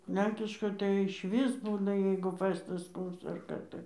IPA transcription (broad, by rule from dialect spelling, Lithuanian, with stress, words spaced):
ˈlʲɛŋʲkʲɪʃkoːj tɐɪ ɪʃʲˈʋʲɪs ˈbuːnɐ jɛɪɡʊ ˈfɜstɐs ˈkoːks ɐr ˈkɑː tɐɪ